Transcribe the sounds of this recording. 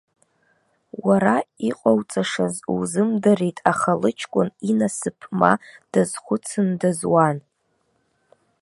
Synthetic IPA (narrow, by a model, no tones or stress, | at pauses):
waɾaiqʼawt͡sʼaʂazuzɨmdare̞jtʼaχalɨt͡ʃʰkʷʼʊninasɨpʰma̰d̥azχʷʊt͡sʰɨndazwan